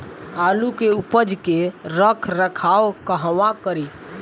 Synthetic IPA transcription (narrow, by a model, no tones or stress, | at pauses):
alukeupəd͡ʒkeɾəkʰɾəkʰaokəɦʋãkəɾi